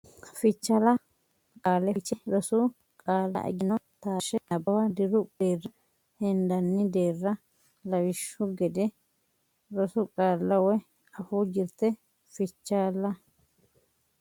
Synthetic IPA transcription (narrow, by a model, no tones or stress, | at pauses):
fɪt͡ʃːalɐ | kʼaːlɛt͡ʃːɛɾɔsʊ | kʼaːlːɐ̰ʔɛ̰ɡɪnɐ | t̪aːʃɛɐbɐwɐd̪ɪɾʊbeːrːɐ | hɛnd̪ɐnːɪd̪eːrːɐ | lɐwɪʃːʊɡɛd̪ɛ | ɾɔsʊkʼaːlːɐwɔ | ɐfuːd͡ʒɪɾt̪ɛ | fɪt͡ʃːaːlɐ